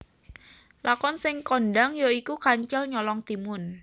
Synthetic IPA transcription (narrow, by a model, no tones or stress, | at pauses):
lakɔnsɪŋkɔnɖaŋjoikukaɲt͡ʃɛlɲɔlɔŋt̪imʊn